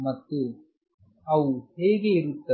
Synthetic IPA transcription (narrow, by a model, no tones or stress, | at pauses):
mɐt̪ːe | ɐwuheːɡeiɾut̪ːɐ